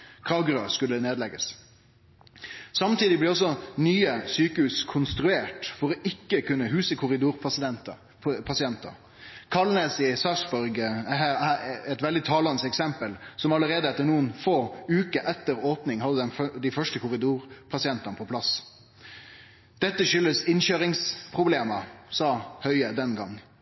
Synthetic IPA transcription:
kʰʁɑːɡɾʉɑskʉlːəneːd̪lɛɡəs | sɑmt̪iːd̪ɪblɪʁɔs̬ːɔnyːəsyːkəhʉːskʰʊnst̪ɾʉeːʈfɔɾɔʔɪkːəkʰʉnːəɦʉːsəkʰʊʁɪd̪uːɾs | pʰɑsɪɛnt̪ɑ̰ | kʰɑlnesɪsɑsbɔɾɡæɦæːɾæɛt̪ʋɛld̪ɪt̪ʰɑːlɑnsɛksɛmpəlsɔmɑləɾeːd̪əɛt̪ːənuːənfoːʉːkəʔɛt̪ːəɾoːpnɪŋhɑd̪əd̪ɛnfd̪ɪfœʂʈəkʰʊɾɪd̪uːʁpʰɑsɪɛnt̪ɑnəpʰɔpʰlɑs | d̪̥ɛt̪ːəʃʏlːəsɪnɕøːɾɪŋspʰʁʊbleːməsɑːhœʏəd̪ɛnɡɑŋː

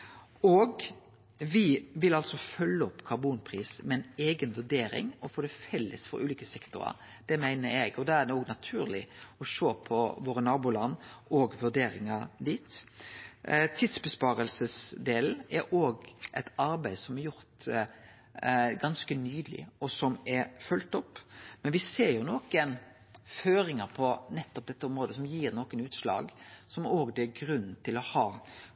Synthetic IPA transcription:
oɡ | ʋɪʋɪlɑlsɔfœlːəɔpːkʰɑɾbuːnpʰɾiːsmɛɪneːɡənʋʉɖ̪eːɾɪ̰ŋɔfoːd̪ɛfɛlːə̰sfɔ̰ɾʔʉ̰ːliːkəsɛkt̪ʊ̰ɾɑ̰ɾ | d̪̥ɛmæɪnəɾɛɡɔd̪ɛæd̪ɛnɔːɡnɑt̪ʰʉːɾlɪɔʃoːpʰɔʋoːɾənɑːbuːlɑnːɔɡʋʉɾɖ̪eːɾɪŋɑd̪iːt̪ | t̪ʰid̪sbəspɑːɾəlsəsd̪eːln̩ɛɾoːɡʔɛɪt̪ɑɾbæɪd̪sɔmɛɾjʊɾt̪ | ɡɑnskənyːd̪lɪ̰ɔsɔmɛfʉlt̪ɔpːmɛnʋɪseːɾjʊnoːkən | føːɾɪŋəɾpʰɔnɛt̪ːɔp̚d̪ɛt̪ːəɔmɾoːd̪əsɔmjiːɾnoːkənʉːt̪slɑ̰ːɡsɔmoːɡd̪ɛɡɾʉnːt̪ʰɪlɔhɑː

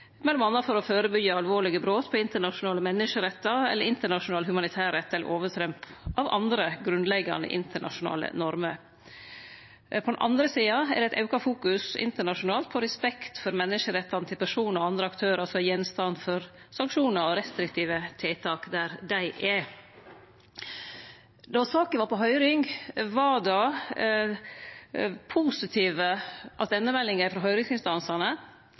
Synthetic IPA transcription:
mɛlːɔmɑnːɑfɔɾɔføːɾəbʏɡːəɑlʋoːɾɭɪɡəbɾoːt̪pʰɔɪnt̪əɳɑʂʊnɑːləmɛnːɪʂəɾɛt̪ːɑɛ̰lːəɾɪnt̪əɳɑʂʊnɑːlhʉmɑnɪt̪ʰæːɾɛt̪ːɛlə̰ɾʔoːʋət̪ʰɾɛmpʔɑʋɑ̰nd̪ɾəɡɾʉnd̪lɛɡːɑ̰nd̪ə̰ʔɪ̰nt̪əɳɑ̰ʂʊnɑ̰ːlə̰nɔɾməɾ | pʰɔd̪ɛnʔɑ̰nd̪ɾəsiːɑɛ̰d̪ɛɪt̪ʰɑ̰ʉkɑfuːkʉsɪ̰nt̪əɳɑʂʊnɑːlt̪̚pʰɔɾɛspɛkt̪fɔɾmɛnːɪʂəɾɛt̪ʰːɑnət̪ʰɪlpʰæʂuːnəɾɔɑnd̪ɾəɑkt̪ʰøːɾəsɔjɛnst̪ɑnd̪fɔɾ | sɑŋkʂuːnəɾɔɾɛst̪ɾɪkt̪ʰiːʋət̪ʰɪːt̪ʰɑːkd̪æɾd̪æɪʔɛ | d̪ɔsɑːkənʋɑːɾpɔɦœʏɾɪŋʋɑd̪ɑ | pʰuːsɪt̪ʰiːʋəʔɑt̪ɛnːəmɛlːɪŋəfɾɑɦœʏɾɪŋsɪnst̪ɑnsɑnə

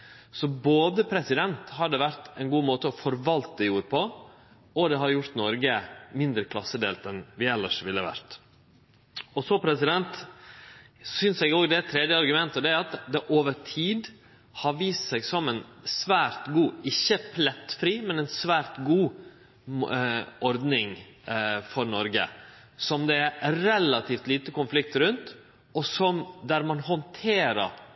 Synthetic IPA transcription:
sɔboːd̪əpʰɾɛsɪd̪ɛnt̪hɑɖəʋæɾt̪ɛɪnɡuːmoːt̪əɔfɔɾʋɑlt̪əd̪ɛjuːɾəpʰɔ | ɔd̪ɛɦɑɾjʊɾt̪nɔɾɡəmɪnd̪ɾəkʰlɑsːəd̪ḛːlt̪ɛnʋɪɛlːəʂʋɪlːəʋæ̰ɾt̪ | ɔsɔpʰɾɛsɪd̪ɛnt̪ | sʏnsɛɡoːɡd̪ɛæt̪ʰːɾɛd̪jəɑɾɡʉmɛnt̪ɔd̪ɛæɾɑt̪d̪ɛʔoːʋəʈʰiːd̪ | hɑɾʋiːst̪sɛɡsɔmɛnsʋæːɾt̪ɡuːɪçːəpʰlɛt̪fɾiːmɛnɛɪnsʋæːɾt̪ɡuː | ʔɔɾd̪nɪŋ | fɔɾnɔɾɡə̰ | sɔmd̪ɛæɾɾɛlɑt̪ʰiːft̪liːt̪əkʊnflɪk̚t̪əɾʉnt̪ | ɔsɔmd̪æɾmɑnhɔnt̪ʰeːɾə̰ɾ

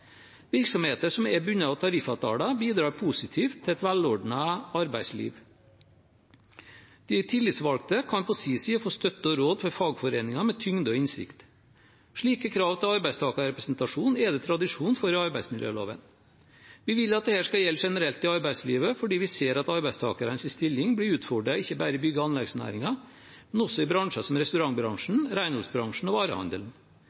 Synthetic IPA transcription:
ʋɪɾksɔmheːt̪əʂɔmɛbʉɲːəɑʋt̪ʰɑɾɪfɑt̪ʰɑ̰ːlɑbiːd̪ɾɑːɾpʰusɪt̪ʰiːft̪ʰːɪɛt̪ʋælɔɖɳəɑɾbæɪslḭːʋ | d̪̥ɪt̪ʰɪlːɪt̪sʋɑlk̚t̪əkʰɑnpʰɔsiːsiːɔfoːst̪œt̪ːəɔɾoːd̪fɔɾfɑːɡfɔɾeːnɪŋɑmɛt̪ʰʏŋd̪əɔɪnsɪ̰kt̪ | ʂɭiːkəkʰɾɑːʋt̪ʰɪlɑɾbæɪst̪ʰɑːkɑɾɾɛpɾɛsnt̪ɑʂuːnɛd̪ɛt̪ʰɾɑd̪ɪʂuːnfɔɾəɑɾbæɪsmɪljø̰ːlo̰ːʋə̰n | ʋɪʋɪlːɑt̪̚d̪ɛhæːʂkɑljɛlt̪ʂɛnəɾɛlt̪ɪɑɾbæɪsliːʋəfɔɖiːʋɪseːɾɑt̪ɑɾbæɪst̪ʰɑ̰ːkɑɾənsɪst̪ɪlːɪŋblɪɾʉːt̪fɔɖɾɑɪçːəbæːɾəɪbʏɡəɑnlɛɡsnæ̰ːɾɪŋɑ | mɛnɔsːɔɪbɾɑŋʂɑsɔmɾɛst̪ʉɾɑŋbɾɑŋʂɳn̩ɾæɪnɔlsbɾɑŋʂɳ̩ɔʋɑːɾə̰hɑ̰nd̪əln̩

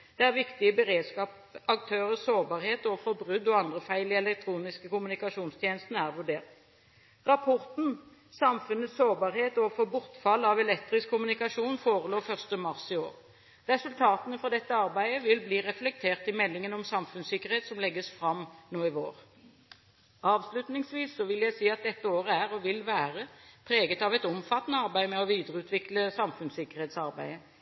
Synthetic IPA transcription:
d̪̥ɛæʁʋɪkt̪ɪəbəɾeːd̪skɑːp | ɑk̚t̪ʰøːʁəsoːʁbɑːʁheːt̪ɔfɔɾbʁʉd̪ɔɑnd̪ʁəfæɪlɪɛlɛk̚t̪ʰɾuːnɪskəkʊmʉnɪkɑʂuːnst̪ʰjeːnəst̪n̩æʁʋʉɖeːʁt̪ | ʁɑpʰɔʁt̪n̩ | sɑmfʉnːət̪soːʁbɑːʁheːt̪ɔfɔbʊʁt̪fɑlːɑʋɛlɛk̚t̪ʁɪskʰːʊmʉnɪkɑʂuːnfoːʁəloːfœʁst̪əmɑʁsɪoːʁ | ʁɛsʉlt̪ʰɑːt̪ənəfɔʁd̪ɛt̪ːəɑʁbæɪəʋɪlbliːʁɛflɛk̚t̪ʰeːʁt̪ɪmɛlːɪŋənɔmsɑmfʉnsɪkːəʁheːt̪sɔmlɛɡːəsfʁɑmnoːɪʋoːʁ | ɑːʋslʉt̪nɪŋsʋiːsːɔʋɪljæɪsiːɑt̪̚d̪ɛt̪ːəoːɾəæʁɔʋɪlʋæːʁəpʰɾeːɡət̪ɑʋɛɪt̪ɔmfɑt̪ːənəɑʁbæɪmɛɔʋiːd̪əʁəʉːt̪ʰʋɪkləsɑmfʉnsɪkːəʁheːt̪sɑɾbæɪə

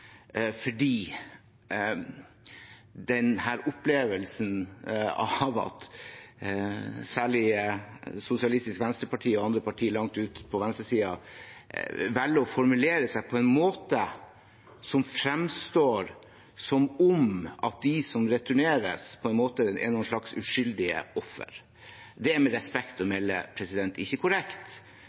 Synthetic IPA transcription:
fɔɖiː | d̪ɛnhæːɾʊpleːʋəlsn̩ɑ̰ʋɑ̰t̪ | sæːɭɪəsʊsɪɑlɪst̪ɪskʋɛnst̪əpɑʈʰiːɔɑnd̪ɾəpɑʈʰiːɭɑŋt̪ʉːt̪pʰɔʋɛnst̪əsiːɑ | ʋɛlːəɔfɔɾmʉleːɾəsæɪpʰɔɛnmoːt̪ə | sɔmfɾɛmst̪oːɾ | sɔmɔmɑt̪̚d̪ɪsɔmɾɛt̪ʉɳeːɾə̰spʰɔɛnmoːt̪əɛ̰nɔnʂɭɑksʉ̰ʂʏld̪ɪə̰ɔfːə̰ɾ | d̪ɛæɾmɛɾɛspɛkt̪ɔmɛlːə̰pʰɾɛsɪd̪ɛnt̪ɪçːəkʰʊɾɛkt̪

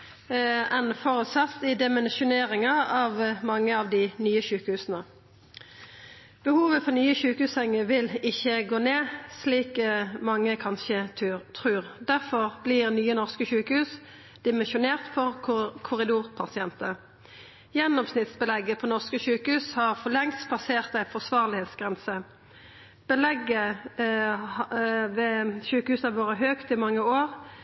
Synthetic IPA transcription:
ɛnfoːʁʉt̪sɑt̪ːɪd̪ɪmɛnʃʊneːʁɪŋɑɑʋmɑŋːəɑʋd̪ɪnyːəʃʉːkəhʉːsnə | b̥əhuːʋəfɔʁnyːəʃʉːkəhʉːsɛŋːəʋɪlɪçːəɡoːneːsliːkmɑŋːəkʰɑnʃət̪ʰʁʉːʁd̪æʁfɔʁblɪʁnyːənɔʁskəʃʉːkəhʉːs | d̪̥ɪmɛnʃʊneːʁt̪fɔʁkʰʊʁɪd̪uːʁpʰɑsɪɛnt̪ə | jɛnːɔmsnɪt̪sbəlɛɡːəpʰɔnɔʁskəʃʉːkəhʉːshɑʁfɔlɛŋspʰlɑseːʁt̪æɪfɔʁsʋɑːʁlɪheːt̪sɡ̥ʁɛnsə | b̥əlɛɡːə | ʋɛʃʉːkəhʉːsɑʋoːɾəɦøːkt̪ɪmɑŋːəoːʁ

